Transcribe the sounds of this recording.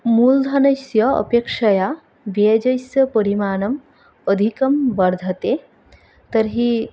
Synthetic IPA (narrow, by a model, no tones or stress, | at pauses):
muːld̪ʱɐnɐsjɐə̰pekʂɐja | ʋed͡ʒɐjsjɐpəɾimaːnɐm | əd̪ʱikɐmbɐɾd̪ʱɐt̪e | t̪ɐɾɦi